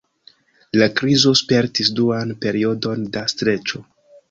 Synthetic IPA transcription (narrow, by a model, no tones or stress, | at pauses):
lakɾizo̞spe̞ɾtisduanpe̞ɾio̞do̞ndastɾe̞t͡ʃo̞